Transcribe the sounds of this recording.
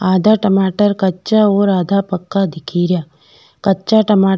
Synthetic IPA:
aːd̪ʱaːʈɐmaːʈəɾkɐtːt͡ʃaoːɾaːd̪ʱaːpɐkːad̪ɪkʰiːɾjaː | kɐtːt͡ʃaʈɐmaː

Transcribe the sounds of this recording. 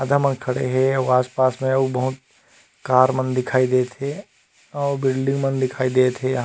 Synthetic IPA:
ad̪ʱamɐnkʰɐɽḛɦɛɐaːspaːsmẽubɐɦʊt̪̚ | kaːɾmɐ̃nd̪ɪkʰaːid̪eːt̪ʰe | ɔːbɪlɖɪ̃ŋɡmɐnd̪ɪkʰaːid̪eːt̪ʰe

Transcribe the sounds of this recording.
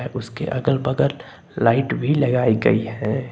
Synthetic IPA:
ɛʔʊskḛʔɐɡəlbəɡəɾ | laːɪʈbʱilɐɡaːiɡɐ̰iɦɛ̃ː

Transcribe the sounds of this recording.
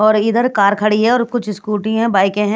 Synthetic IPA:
ɔːɾɪd̪əɾkaːɾkʰɐɽiɦɛ̃ɔːɾkʊt͡ʃʰskuːʈĩɦɛ̃baːɪkẽɦɛ̃

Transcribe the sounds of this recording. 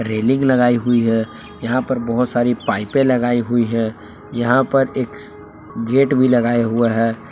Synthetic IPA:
ɾeːlɪ̃ŋɡlɐɡaːiɦʊiɦɛ̃ | jɐɦãpɐɾbɐɦʊt̪saːɾipaːɪpẽlɐɡaːiɦʊiɦɛ̃ | jɐɦãpɐɾeːk | ɡeːʈbʱilɐɡaːeɦueɦɛː

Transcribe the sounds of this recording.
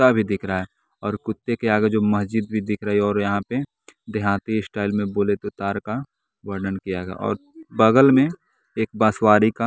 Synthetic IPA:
abʱid̪ɪkʰɾaɛ | ɔːɾkʊt̪ːekeaːɡed͡ʒoːmɐsd͡ʒid̪̚bʱid̪ɪkʰɾəɦiɔːɾjɐɦãpe | d̪ɪɦãːt̪isʈaːɪlmẽboːlet̪ot̪aːɾka | ʋɐɾɖənkijaɡa̰ʔɔ̰ːɾbɐɡəlmẽ | eːk̚baːswaːɾika

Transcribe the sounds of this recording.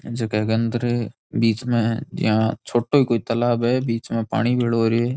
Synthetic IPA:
d͡ʒɐkɛːɡə̃nd̪ɾɛ | biːt͡ʃmẽd͡ʒ̰ɦãt͡ʃʰoːʈoikoːit̪ɐlaːbɦɛbiːt͡ʃmẽpa̰ːɽ̃ibʱeɭoːɾiɛː

